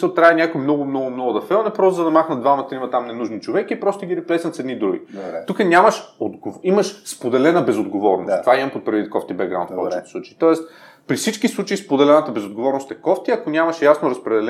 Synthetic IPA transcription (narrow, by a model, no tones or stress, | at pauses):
səlˠt̪ɾʲaɛnʲakojmnɔɡʊmnɔɡʊmnɔɡʊd̪ɐfɛlˠnɛpɾɔst̪zɐd̪ɐmaxnət̪d̪vamɐt̪ɾimɐt̪amnɛnuʒnit͡ʃovɛkiːpɾɔst̪ʊɡʲiɾɛplɛsət̪sɛd̪nid̪ɾuɡʲḭt̪ukənʲaməʃod̪ɡoiməʃspod̪ɛlɛnəbɛzod̪ɡovɔɾno̰stt̪ovaimɐmpot̪̚pɾɐvit̪̚kɔft̪ibɛɡɾã̰ʊnppɔ̰ɛt͡ʃit̪ɛ̥sˠut͡ʃit̪ɔɛst̪ | pɾisit͡ʃkislˠut͡ʃəispod̪ɛlɛnət̪əbɛzod̪ɡovɔɾnost̪ɛkɔft̪iɐkonʲamɐʃjasnʊɾɐspɾɛd̪ɛlɛ